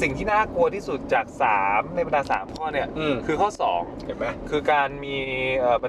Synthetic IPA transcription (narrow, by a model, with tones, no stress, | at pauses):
si˨˩ŋt̪ʰiː˥˩naː˥˩ku˧ɐt̪ʰiː˥˩su˨˩t̪̚t͡ɕaː˨˩k̚saː˩˦mna˧˩jpa˧ndaː˧sa̰ː˩˦mkʰɔː˥˩ni˥˩ɐ˧kʰɯː˧kʰɔː˥˩sɔ̰ː˩˦ŋ | a˨˩ma˦˥kʰɯː˧kaː˧nmiː˧ʔəː˨˩pa˧